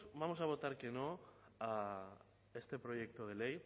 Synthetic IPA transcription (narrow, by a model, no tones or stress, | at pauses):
bamo̞saβ̞o̞t̪aɾkenoa | est̪e̞pɾo̞je̞k̚t̪oð̞elej